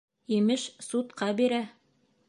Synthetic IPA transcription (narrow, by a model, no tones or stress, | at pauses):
imɘʃsut̪qɑbiɾæ